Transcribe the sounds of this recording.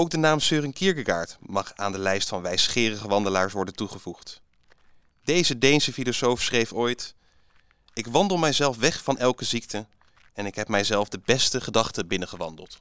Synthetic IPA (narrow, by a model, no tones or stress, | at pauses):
owk̚dənaːmsøːrəŋkiɹkəɡa̰ːɹtmɑχa̰ːndəlɛjstfɑnʋɛjsχɪːrəχəʋɑndəlaːɹsʋɔɹdəntuχəvuχt | d̥ejzədejnsəfilosowfsχrejfojt | ɪkʋɑndəlˠmɛjzɛlˠfʋɛχfɑnʔɛlˠkəzik̚tə | ɛnɪkɦɛp̚mɛjzɛlˠfdəbɛstəχədɑχtəbɪnəχəʋɑndə̰lˠt